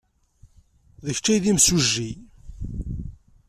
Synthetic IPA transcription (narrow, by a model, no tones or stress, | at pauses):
ðəçt͡ʃːæjðimsuʒːi